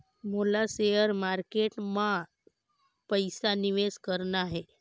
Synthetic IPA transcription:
molasejəɾmaɾkeʈmã | pəjsaniʋeskəɾnaɦe

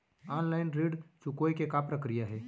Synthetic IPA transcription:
aːnlaːɪnɾiːɖt͡ʃʊkoːjkekapɾɐkɾijaɦɛː

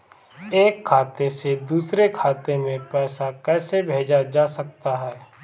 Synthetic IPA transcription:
eːkʰːaːt̪esed̪uːsɾekʰaːt̪emẽpɛːsakɛːsebʱeːd͡ʒad͡ʒaːsək̚t̪aɦɛː

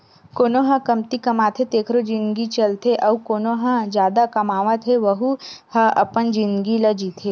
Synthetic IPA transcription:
koːnoɦə̃kɐmt̪ikɐmaːt̪ʰet̪eːkʰɾod͡ʒɪ̃nd̪ɡit͡ʃɐlt̪ʰeʔɐukoːnoɦə̃d͡ʒjaːd̪akɐmaːʋət̪ʰeʋɐɦuhɐʔɐpənd͡ʒɪ̃nd̪ɡilɐd͡ʒiːt̪ʰe

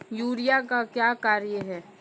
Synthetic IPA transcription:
juːɾijakakjaːkaːɾjəɦɛː

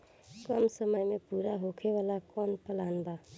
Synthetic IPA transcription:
kʌmsəməjmepuɾaɦokʰebalakɔnpəlanba

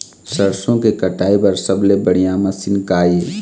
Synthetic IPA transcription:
sɐɾsõkekɐʈaːepɐɾsɐblebəɽ̤ijamɐsɪnkaːjeː

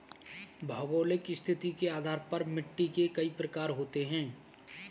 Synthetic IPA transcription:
bʱəɡoːlɪkɪst̪ʰɪt̪ikeaːd̪ʱaːɾpɐɾmɪʈːikekɐipɾəkaːɾɦoːt̪eɦɛ̃ː

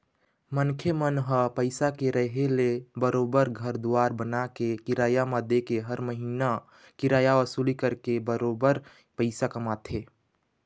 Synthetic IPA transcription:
mənkʰemənɦəpəɪsakeɾəɦelebəɾoːbəɾɡʱəɾd̪uaːɾbənakekɪɾaːjamad̪ekeɦəɾməɦiːna | kɪɾaːjaʋəsuːlikəɾkebəɾoːbəɾ | pəɪsakəmaːt̪ʰe

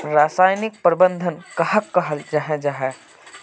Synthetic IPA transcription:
ɾaːsaːjnɪk̚pɾɪbə̃nd̪ʱənkɐɦəkːɐɦəld͡ʒaɦɛ̃d͡ʒaɦɛ

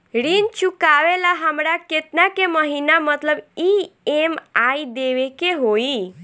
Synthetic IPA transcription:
ɽint͡ɕukaʋelaɦamɽaket̪nakeməɦinamət̪ləbiemaid̪eʋekeɦoi

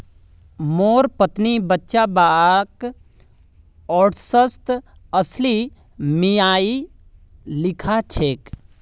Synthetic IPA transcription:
moːɾpət̪nibətːʃabaːk | ɔːʈsəst̪əsli | mijaːi | lɪkʰat͡ʃʰeːk

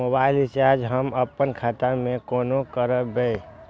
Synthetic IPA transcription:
mobaːɪlɪst͡ʃaɾd͡ʒɦəməpːənkʰat̪amẽkoːnokəɾəbe

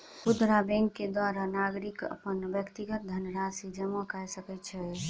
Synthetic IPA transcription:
pud̪ɾabɛ̃ŋkːed̪waɾanaɡɾikə̰pənbjəkt̪iɡət̪̚d̪ʱənɾasid͡ʒəməkajsəkɛt̪̚t͡ʃʰɛ

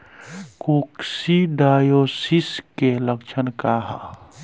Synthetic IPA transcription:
koːksiɖaːjosiskeləkt͡ʃʰənkaɦa

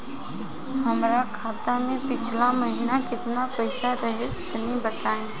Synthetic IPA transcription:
ɦəmɾakʰaːt̪amẽpɪt͡ʃʰlaməɦɪnakɪt̪napəɪsaɾəɦeɪt̪nibət̪aːẽː

